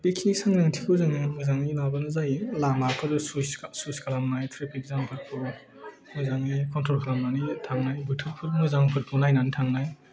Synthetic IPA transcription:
pikʰiisaŋnaŋtʰikʰɯwzaŋimɯjzaŋilabɐnɯzajlamapʰɯɾusussuskʰalamnajtʰɾepʰik̚zaŋpʰɯt̚pʰu | mɔzaŋikɔntʰɾolkʰalamnanitʰaŋnajbutʰɯɾ̚pʰɯɾnɯzaŋpʰɯt̚pʰunajnanitʰaŋnaj

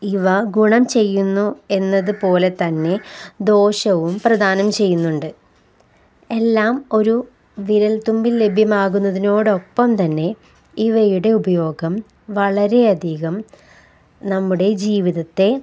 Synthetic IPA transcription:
iʋɐɡuɳɐmt͡ɕe̞jːunːue̞nːɐðɨpo̞ːle̞t̪ɐnːe̞d̪o̞ːɕɐʋumprɐd̪ʱaːnɐmt͡ɕe̞jːunːuɳɖɨ | e̞lːaːmo̞ɾu | ʋiɾɐlt̪umbilːe̞bʱjɐmaːɣunːɐðino̞ːɽo̞pːɐmt̪ɐnːe̞ | iʋɐjuɽe̞ubɐjo̞ːɡɐm | ʋɐɭɐɾe̞ɐd̪ʱiɣɐm | nɐmːuɽe̞d͡ʑiːʋiðɐt̪ːe̞

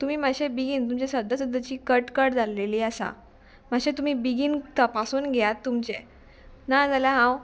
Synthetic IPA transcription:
t̪um̤iːmaɕebiɡiːnt̪umt͡ɕesəd̪ʱəsəd̪ət͡ɕiːkəʈkəɽd͡zʱaleliːəsa̰ | maɕẽt̪um̤iːbiɡiːnt̪əpasuːnɡʱɛjat̪ːumt͡ɕe | nad͡zalaɦãw

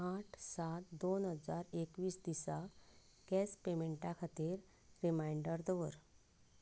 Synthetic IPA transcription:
aʈʰsat̪d̪onɦəd͡zaɾekʋiːsd̪isa | ɡ̥ɛspemeɳʈãkʰat̪iːɾ | ɾimajɳɖəɾd̪əʋəɾ

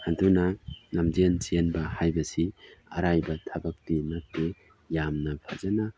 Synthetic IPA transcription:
hadunanamd͡ʒinsianbɐhajbɐsiɐ̰ɾajbɐtʰɐbɐk̚tinɐk̚te | jamnɐpʰa̰zana

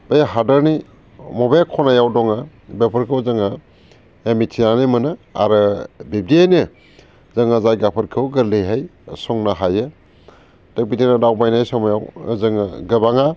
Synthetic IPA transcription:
bejɦadaɾni | mɔbekʰɔnajawdɔŋa | bepʰɯɾkʰɯwzɯŋa | emitʰinanimɯnɯa̰ɾɯbib̚diejnɯ | zaŋazajɡapʰɐɾkʰɯwɡɯɾleɦajsɔŋnaɦajɯ | tek̚bidinadawbajnajsɔmajawzɯŋaɡɯbaŋa

